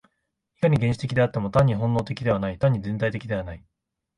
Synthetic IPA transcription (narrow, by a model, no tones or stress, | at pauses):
i̥kaɲ̟iɡẽɲɕi̥t̪e̞kʲid̪e̞at̪ːemo̞t̪ãɲ̟ːiɦõ̞nːo̞ːt̪e̞kʲid̪e̞β̞anait̪ãɲ̟ːid͡zẽ̞nt̪ait̪e̞kʲid̪e̞β̞anai